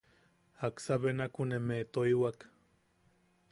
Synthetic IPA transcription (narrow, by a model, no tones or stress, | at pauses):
aksaβenakunemet̪oiwak